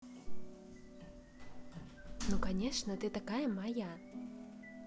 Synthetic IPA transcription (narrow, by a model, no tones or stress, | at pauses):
nukanʲɛʂnɐt̪ɨt̪akajɐmaja